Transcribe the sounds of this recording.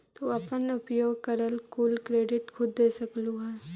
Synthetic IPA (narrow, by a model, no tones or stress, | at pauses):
t̪oɐpənʊpjoːɡkɐɾəlkuːlkɾeːɖɪʈkʰʊd̪ːeːsɐklũɦɛː